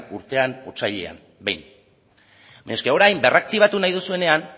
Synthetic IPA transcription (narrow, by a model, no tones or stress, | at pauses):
uɾt̪e̞anut͡saʎḛa̰m | bejn | baɲoskeo̞ɾajmbe̞rak̚t̪iβ̞at̪unajðusue̞ne̞an